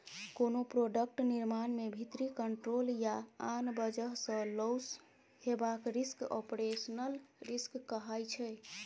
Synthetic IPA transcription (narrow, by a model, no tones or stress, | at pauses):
konopɾoɖək̚ʈniɾmanmebʱit̪ɾikəɳʈɾoljaanbəd͡ʒəɦsə̃lows | hebakɾisko̰pɾesənəlɾiskːəɦajt͡ʃʰɛ